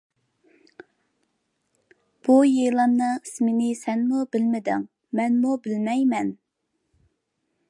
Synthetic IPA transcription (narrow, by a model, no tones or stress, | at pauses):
b̥ujejlˠɑmnɨŋismɪnɪsɛnmubɪlmɪd̪ɪ̰ŋ | mɛnmubɪlmɛjmɛn